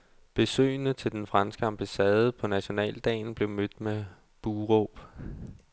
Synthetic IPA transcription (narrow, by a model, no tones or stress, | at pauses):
b̥e̝sø̰ɪnət͡sʰe̝ld̥enfʁɑ̈nsɡ̥əɑ̈mb̥æsɛːð̞ˠəpʰɒ̽næɕo̝nɛ̰ːld̥ɛ̰ːnb̥le̝ʊmød̥me | b̥uːʁɔb̥